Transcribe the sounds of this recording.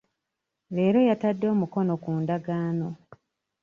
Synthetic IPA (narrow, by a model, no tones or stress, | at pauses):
le̞ːɾo̞jatadːo̞ːmuko̞no̞kuːndaɡaːno̞